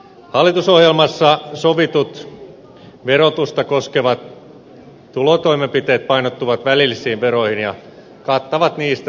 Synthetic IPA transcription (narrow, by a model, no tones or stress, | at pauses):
hɑlːit̪usohjelmɑsːɑsoʋit̪ut̪ | ʋeɾot̪ust̪ɑkoskeʋɑt̪ | t̪ulot̪oimempit̪eːt̪̚pɑinot̪ːuʋɑt̪ʋælilːisˑiːʋʋeɾoihinjɑ | kɑt̪ːɑʋɑt̪niːst̪æ